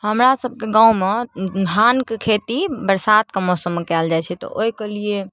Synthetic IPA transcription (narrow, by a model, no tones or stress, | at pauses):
ɦəmɾasəb̚ʱkeɡãũmed̪ʱankekʰet̪ibəɾsat̪̚kemɔsəmːekɛld͡ʒajt͡ʃʰɛt̪ɔ̰ʔoikelije